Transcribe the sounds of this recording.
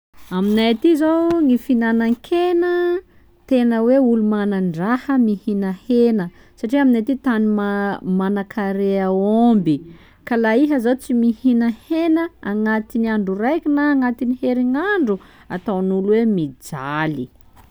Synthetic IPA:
aminajat̪izowŋifinanaŋkʰenə | t̪enəweulumanaɳɖ͡ʐahəmihinəhenə | saʈ͡ʂiaminajt̪it̪animamanakʰaɾeəombi | kalaiɦəzat͡simihinəhenəaŋat̪iniaɳɖ͡ʐurajkʲinaːŋat̪iniheɾiŋaɳɖ͡ʐu | at̪awnuluwemid͡zali

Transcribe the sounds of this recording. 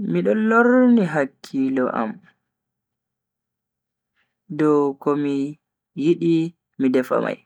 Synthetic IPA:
miɗɔloɾniɦakʰːilɔʔa̰m | dɔwkɔmi | jiɗi | midɛfa̰ma̰j

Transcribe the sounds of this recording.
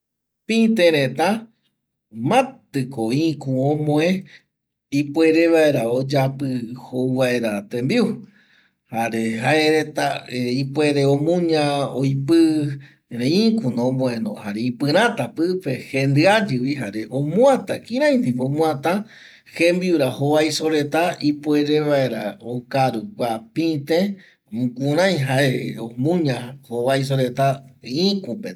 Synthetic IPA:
pĩt̪ẽɾẽt̪ã | mãt̪ɨkoikũõmõẽ | ipwe̞ɾeʋaeɾaod͡ʒapɨhouʋae̞ɾat̪ẽmbiu | haɾehaʔeɾet̪aipwe̞ɾeõmũɲãojpɨ | ɾeĩkunõmõẽnõ̰haɾeipɨɾ̃ãt̪apɨpehend̪ɨad͡ʒɨwihaɾeʔomũat̪a̰kĩɾ̃ãj̃nd̪ipõmũãt̪ã | hembiuɾahoβajsoɾe̞t̪aipweɾeβae̞ɾaokaɾukʷapĩt̪ẽ | mũkũɾ̃ãj̃ɦaʔeomũɲãhoβajs̬oɾet̪aĩkupe

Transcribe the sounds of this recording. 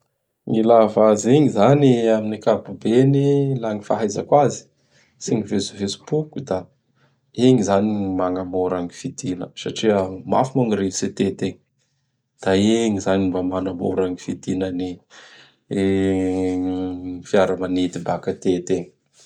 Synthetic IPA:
ŋilavaziŋizaniaminikabubenilaŋifaɦajzə̰kwazi̥ | siŋivezuvesi̥pukud̪a | eŋizanimaŋɡamoɾaŋifid̪inə̰saʈ͡ʂiəma̰fimaŋiɾevset̪et̪eŋ | d̪̥aeŋizanibamanamo̰ɾaŋifid̪inəni | fiaɾəmanet̪ibakat̪et̪eŋ

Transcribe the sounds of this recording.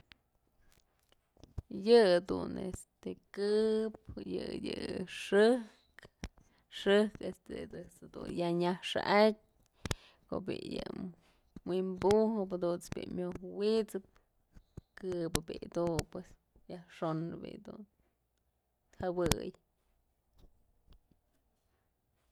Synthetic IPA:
jɨd̪unḛst̪ekɨp̚jɨjɨʂɨ | k | ʂɨhkest̪ed̪ɨsd̪ṵnjaɲahʂa̰ʔat̚ʲ | koʔbejɨ | mwimbuhɨpad̪unsbʲḭʔmʲjohwit͡sɨp̚ | kɨbɨbeʔd̪upwes | jahʂonɨbḭd̪un | t̪hawɨj

